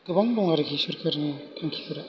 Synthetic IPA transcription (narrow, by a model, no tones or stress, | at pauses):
ɡ̥ɯbaŋbɔŋaɾɡisɯɾkʰaɾnikʰaŋkʰi̥kʰɯɾa